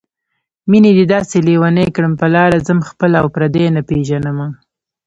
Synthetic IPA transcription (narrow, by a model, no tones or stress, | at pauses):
mined̪id̪ɑselewanejkɽəmpəlɑɾazəmxpəlaawpɾad̪enapeʒanəma